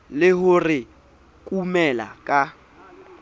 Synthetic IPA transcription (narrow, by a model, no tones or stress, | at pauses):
lɪɦʊrɪ | kʼumɛla̰kʼa